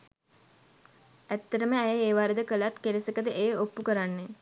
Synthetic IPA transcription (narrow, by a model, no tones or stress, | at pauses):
æt̪ːɐɾəməæjəeːʋaːɾəd̪əkəlat̪kelesəkəd̪əʔeːopːukəɾanːe